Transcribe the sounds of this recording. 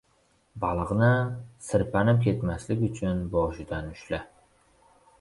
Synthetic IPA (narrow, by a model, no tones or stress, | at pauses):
bɑlˠʁnɪsɪɾpanɪm̚kʲʰe̞t̪maslɪkʲʊt͡ʃʰʊnbɒʃɪd̪anʊʃlɪ